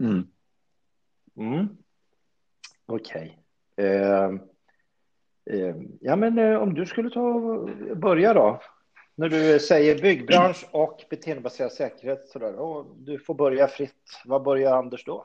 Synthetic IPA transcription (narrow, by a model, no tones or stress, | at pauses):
m̩ | ɔkʰɛj | jɑːmɛnɔ̰md̪ɵskɵlːət̪ʰɑːbœɾjad̪ɔ | næɖɵsɛjːəɾbʏɡːbɾanʂɔkbɛt̪ʰeːnd̪əbaseːɾasɛːkəɾheːt̪sɔd̪æːɾɔd̪ɵfoɾbœɾjafɾɪt̪ːvabœɾjaɾand̪əʂd̪ɔ